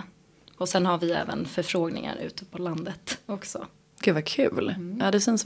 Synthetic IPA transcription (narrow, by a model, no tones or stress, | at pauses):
ɔsɛnhaɾvɪɛ̰ːvə̰nfœɾfɾoːɡnɪ̰ŋa̰ɾʔʉ̟ːt̪əpʰɔland̪ət̪ɔksɔ̰ | ɡ̥ʉ̟ːd̪vakʰʉ̟̰ːlaːd̪ɛsɛns